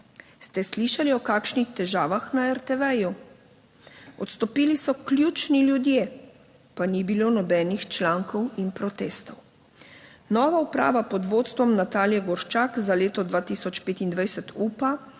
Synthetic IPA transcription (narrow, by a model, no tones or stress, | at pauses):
st̪ɛsliːʃaliɔkaːkʃnixt̪ɛʒaːʋaxnaɛɾt̪ɛʋɛju | ɔt̪st̪ɔpiːlisɔklʲjuːt͡ʃniljud̪je | panibilonɔbɛːnixt͡ʃlaːŋkɔwinpɾɔt̪eːst̪ɔw | nɔːʋaupɾa̰ːʋapɔd̪ʋoːt̪st̪ʋɔmnat̪aːljɛɡɔɾʃt͡ʃakzaleːt̪ɔd̪ʋaːt̪isɔt͡ʃpeːt̪ind̪ʋajsɛt̪ʰuːpa